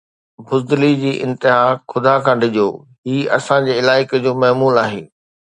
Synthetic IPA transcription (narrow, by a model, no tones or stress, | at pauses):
bʱʊzd̪lid͡ʑiːʔɪ̃nt̪ɪɦaːxʊd̪akʰãːɖʱɪʄoː | ɦiːɐsãd͡ʑeːɪlaːɪkd͡ʑoːmɐɦmuːlaːɦḛː